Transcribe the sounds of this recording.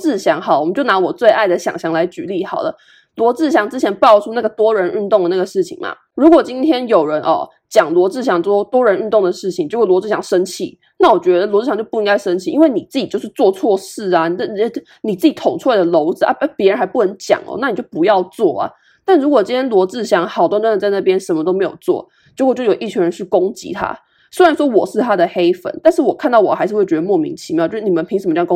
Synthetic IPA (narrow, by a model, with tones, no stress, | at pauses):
t͡sɹ̩˥˩ɕjɑ˧˥ŋxɑ˨˩lmə˦t͡ɕo˥˩ʊna˧˥wɔ˨˩t͡swe˥˧ɪʔa˥˩ɪd̪ə˩ɕjɑ̰˨˩ŋɕjɑ˧˥ŋla˧˥ɪt͡ɕy˨˥˦li˥˩xɑ˨˩ʊlə̰˦ | lwɔ˧˥t͡sɹ̩˥˩ɕjɑ˧˥ŋʈ͡ʂɻ̩˥t͡ɕʰjɛ˧˥npʊʈ͡ʂʰu˥na˥˩ɡə˩t̪wɔ˥ɻə˧˥ny˥˧nt̪ʊ˥˩ŋd̪ə˩na˥˩ɡə˩ʂɻ̩˥˩t͡ɕʰḭ˨˩ŋmɐ̰˩ | ɻu˧˥kwɔ˨˩t͡ɕi˥nt̪ʰjɛ˥njo˨˩ʊɻə˧˦nʔɔ̰˧ | t͡ɕjɑ˨˩ŋlwɔ˧˥t͡sɹ̩˥˩ɕ̬jɑ˧˥˦ŋt͡sɔ˥˧t̪wɔ˥ɻə˧˥nɻy˥˧nt̪o˥˩ŋd̪ə˩ʂɻ̩˥˩t͡ɕʰi˨ŋt͡ɕo˥˧˥lwɔ˧˥t͡sɹ̩˥˩jɑ˥ŋʂə˥nt͡ɕʰḭ˨˩˦ | na˥˩wɔ˨˩t͡ɕɥɛ˧˥d̪ə˧lwɔ˧˥t͡sɹ̩˥˩ɑ˧ŋt͡ɕjpu˥˧i˥ŋɡa˥ɪʂə˥nt͡ɕʰi˨˥ʔi˥nwe˥˩ɪni˨˩t͡sɹ̩˥˩t͡ɕi˨˩t͡ɕjo˥˧ʊʂ̩˥˧t͡swɔ˥˧t͡sʰwɔ˥˧ʂɻ̩˥˩a˩n˨˩˥ə˥˩˥ | ni˨˩t͡sɹ̩˥˩t͡ɕi˨˩t̪ʰo˨˥˦ŋʈ͡ʂʰu˥la˧˥ɪd̪ə˨lo˧˥ʊd͡zɹ̩˨ʔa̰˥˩˥pjɛ˧˥˧ə˧˥nxa˧˥ɪpu˥˩nə˧˥nt͡ɕjɑ̰˨˩ŋlə̰˦na˥˩ni˨˩t͡ɕjo˥˩ʊpu˧˥jɑ˥˧ʊt͡swɔ˥˩ɐ̰˩ | t̪a˥˩nɻu˧˥kwɔ˨˩t͡ɕi˥t̪ʰjɛ˥nlwɔ˧˥t͡sɹ̩˥˩ɕjɑ˧˥ŋxɑ˨˩ʊt̪wa˥˧nt̪wa˥nə˨˧t͡sa˥˧ɪna˥˩pjɛ˥nʂə˧˥nmə˧t̪o˥ʊme˧˥ɪjo˨˩ʊt͡swɔ̰˥˩ | t͡ɕkwt͡ɕjʊjo˨˩i˥˩t͡ɕʰy˧ŋɻə˧˦nɕi˥˩kʊ˥ŋt͡ɕḭ˧˥t̪ʰa̰˥ | swe˥ɻa˧˥nʂwɔ˥wɔ˨˩ʂɻ̩˥˩t̪ʰa˥d̪ə˨xe˥ɪfə̰˨˩nt̪a˥˧nʂɻ̩˥˩wɔ˨˩kʰa˥˧nt̪ɑ˥˩wɔ˨˩xa˧˥ɪʂɻ̩˥˧wɥɛ˧d̪ə˧mwɔ˥˩mḭ˧˥ŋt͡ɕʰi˧˥jɑ˥˨t͡ɕjʂɻ̩˥˩ni˨˩mə˨npʰi˧˥ŋʂ̩˨˩mə˧t͡ɕ